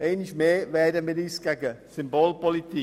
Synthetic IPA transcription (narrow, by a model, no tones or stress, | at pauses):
eːniçmeːʋɛːdəmɪdiːsɡaɡəsɪmboːlpɔlit̪ʰi